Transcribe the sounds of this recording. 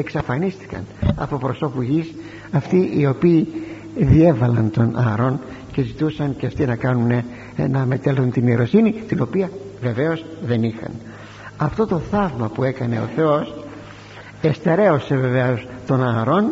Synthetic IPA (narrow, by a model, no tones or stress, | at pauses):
e̞ksɐfɐnist̪i̥kɐ̰nɐ̰po̞pɾo̞so̞puʝis | ɐft̪iʔio̞piː | ðie̞vɐlɐnt̪o̞nʔɐɾo̞n | ce̞zit̪usɐnceɐft̪inɐkɐnune | nɐme̞t̪elθunt̪inieɾo̞sinit̪ino̞piɐve̞ve̞o̞zðe̞nixɐ̰n | ɐft̪o̞t̪o̞θɐvmɐpue̞kɐne̞o̞̰θe̞o̞s | e̞st̪e̞ɾe̞o̞se̞ve̞veost̪o̞nɐɾo̞n